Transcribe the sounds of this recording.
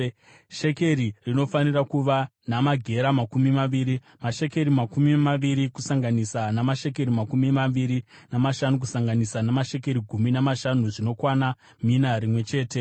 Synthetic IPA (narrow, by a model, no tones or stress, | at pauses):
ʃe̞ke̞ɾirino̞fanirakuʋanamaɡʱe̞ɾamakumimaʋiːɾi | maʃe̞ke̞ɾimakumimaʋiɾikusaŋɡanisanamaʃe̞k̬e̞ɾimakumimaʋiɾinamaʃanuk̬usaŋɡanisanamaʃe̞k̬e̞ɾiɡʱuminamaʃanuʐino̞kwana | minaɾimwe̞t͡ʃe̞ːte̞